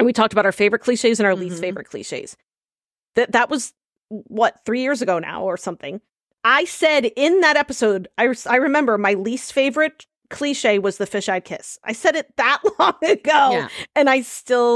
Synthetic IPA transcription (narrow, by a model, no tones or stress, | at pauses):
ɨ̃nwitʰɔk̚təbaʊɾaə˞feɪvə˞ɨt̚kʰliʃeɪzɨ̃ñaʊə˞listfeɪvə̰˞ɨt̚kʰl̥ḭʃeɪz̥ | ðɨðəʔ̚wʌz̥ | wʌt̪̚θɹijɪɹzɨɡoʊna̰ʊə˞sʌ̃mθɪ̰̃ŋ | aɪsɛɾɪ̃nðɨɾɛpɨsoʊdaɪsaɪɹɨmɛ̃mbə˞maɪlistfeɪvə˞ɨt̚ | kʰl̥iʃeɪwʌzðɨfɪʃaɪd̚kʰɪsa̰ɪsɛɾɨt̪̚ðəʔˡlɔ̃ŋɨɡoʊɨ̃naɪstɪlˠ